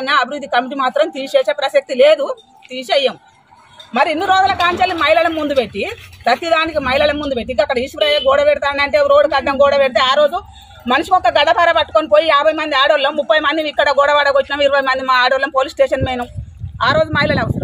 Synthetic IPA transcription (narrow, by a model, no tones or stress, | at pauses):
nːaɐbʱiɾud̪ːikɐmiʈ̬imaːt̪ɾɐmt̪iːʃɛːsepɾɐsɐk̚t̪ile̞ːd̪u | t̪iːʃɛːjːɐmu | mɐɾiinːiɾoːd͡ʒulɐkaːɲt͡ʃɐlːimɐjlɐlɐmːund̪upeʈːipɾɐt̪id̪aːnikimɐjlɐlɐmːund̪upeʈːikːɐkːɐɽɐiʃʋɾɐjeɡɔːɽɐpɛɽt̪aːnɐɳʈe̞ːɾo̞ːɖukɐd̪ːɐmɡɔːɽɐpɛɽit̪eːaːɾo̞ːd͡ʒu | mɐnuʂikɔkːɐɡɐɽɐpɐɾɐpɐʈːukoːnipo̞ːjiaːbʱɐjmɐnd̪iaːɽoːɾlɐmupːɐjmɐnd̪iikːɐɽɐɡɔːɽɐʋaːɽɐkot͡ʃːinɐmiɾɐʋɐjmɐnd̪imaaːɽoːɾlɐmpoːliːsʈeːʂɐnmɐjnɐmaːɾo̞ːd͡ʒumɐjlɐlɐust̪